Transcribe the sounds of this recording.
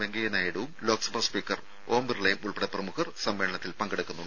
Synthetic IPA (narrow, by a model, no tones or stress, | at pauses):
ʋeŋɡɐjɐnaːjiɽuʋumlo̞ːksɐbɐspiːkːɐr | oːmbɨrɭɐjmuɭpɐɽɐprɐmuhɐrsɐmʋeːɭɐɳɐt̪ːilpɐŋɡɐɽukːunːuɳɖɨ